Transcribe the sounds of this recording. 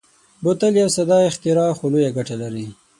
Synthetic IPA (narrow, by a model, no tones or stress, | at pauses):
bʊt̪aljawsad̪ɑɪxt̪ɪɾɑxolojaɡaʈalaɾi